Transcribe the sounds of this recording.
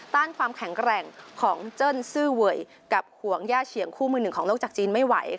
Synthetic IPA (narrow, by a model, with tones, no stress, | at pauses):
t̪aː˥˩nkʰwaː˧mkʰɛ˨˩˦ŋkɾɛː˨˩ŋkʰɔː˩˦ŋt͡ɕɤː˥˩nsɯː˥˩wu˨˩əj | ka˨˩p̚hu˩˦əŋjaː˥˩t͡ɕʰi˨˦əŋkʰuː˥˩mɯː˧nɯ˨˩ŋʰɔː˩˦ŋloː˥˩t͡ɕaː˨˩k̚t͡ɕiː˧nma˥˩jwa̰˩˦j